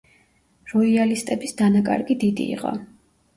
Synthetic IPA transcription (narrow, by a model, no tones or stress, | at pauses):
ɾɔialist̪ʼɛbisd̪anakʼa̰ɾɡid̪id̪ḭːqʼɔ̰